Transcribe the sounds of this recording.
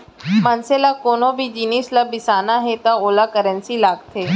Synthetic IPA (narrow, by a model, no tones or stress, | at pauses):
mɐnselakoːnõbʱid͡ʒiːnislabɪsaːnaɦɛt̪aoːlakəɾə̃nsilaːɡt̪ʰeː